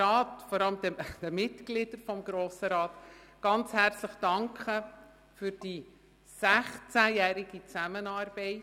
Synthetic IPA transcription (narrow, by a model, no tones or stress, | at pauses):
ɑːtfɔɾɑləmd̥̪ɛd̥əmɪtɡ̥lɪd̥əɾfɔmɡɾoːsəɾɑːt̪ɡ̥ɑnt͡shært͡sləχd̥ɑŋkʰχə | fyɾd̥i | sæχt͡sæjæːɾɪɡit͡sæmənɑːrb̥ɛɪ